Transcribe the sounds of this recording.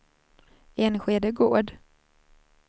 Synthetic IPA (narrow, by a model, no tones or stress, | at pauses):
eːnɧeːd̪əɡoːd̪